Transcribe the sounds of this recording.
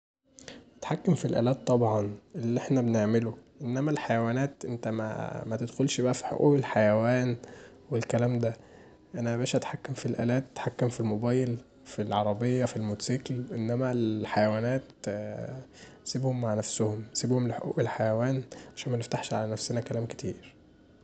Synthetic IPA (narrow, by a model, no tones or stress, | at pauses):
ʔæt̪ħakːæmfilʔæ̰ːlæːt̪ˤːɑbʕɑnʔelːʔeħnæbeneʕmeloʔenːæmælħajæwæːnæːt̪ʔent̪æmæ̰mæt̪ed̪xolʃbæʔæfi̥ħo̰ʔṵːʔelħajæwæːn | welkælæːmd̪æ | ʔænæbæːʃʔæt̪ħakːæmfilʔæ̰ːlæːt̪̚ːt̪ħakːæmfilmobæːjel | filʕɑɾˤɑbejːæfilmuːt̪siːklʔenːæmælħajæwæːnæːt̪ | siːbhomːaʕnæfsohomsiːbhomleħo̰ʔṵːʔelħajæwæːnʕaʃæːnmæneft̪aħʃʕalænæfsenækælæːmke̥t̪iːɾ